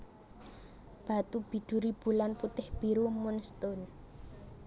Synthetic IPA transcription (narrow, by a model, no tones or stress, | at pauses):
b̥a̤t̪ub̥i̤ɖ̪̥ṳɾib̥ṳlanput̪ɪhb̥i̤ɾumʊnst̪ʊn